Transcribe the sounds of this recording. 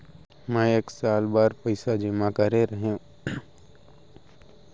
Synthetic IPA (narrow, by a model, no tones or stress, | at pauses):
mɛ̃eːksaːlbaːɾpɐɪsad͡ʒɪmakɐɾeɾəɦeũ